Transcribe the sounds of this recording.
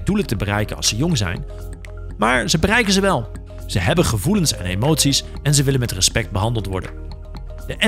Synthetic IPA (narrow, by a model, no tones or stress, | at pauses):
dulətəbərɛjkənɑ̰səjʊŋzɛ̰jn | maːɹzəbərɛjkənzəʋɛlˠ | z̥əɦɛbənχəvulənsɛ̰nejmowtsis | ɛnzəʋɪlənmɛtrəspɛk̚d̚bəɦɑndəlˠtʋɔ̰ɹdə̰n | dəʔɛ